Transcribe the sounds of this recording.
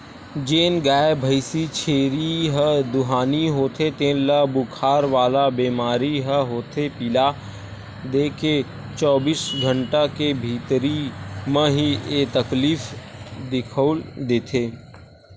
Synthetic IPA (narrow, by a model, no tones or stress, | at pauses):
d͡ʒeːnɡaːebʱəɪsit͡ʃʰeːɾiɦəd̪ʊɦaːniɦoːt̪ʰet̪ẽːnləbʊkʰaːɾʋaːlabiːmaːɾiɦəɦoːt̪ʰepila | d̪eːkʰe | t͡ʃɔːbiːsɡʱə̃ɳʈakebʱiːt̪ɾimə̃ɦiet̪əkliːfd̪ɪkʰəʊld̪eːt̪ʰeː